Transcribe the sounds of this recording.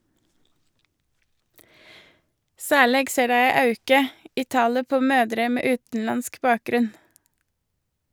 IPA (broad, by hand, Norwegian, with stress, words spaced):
ˈsæːˌɭeːɡ ˈseː ˈdæɪ ˈæɪ ˈɑʉkə ˈiː ˈtɑːlə ˈpoː ˈmøːdɾə ˈmeː ˈʉːtn̩ˌlɑnsk ˈbɑːˌkɾʉn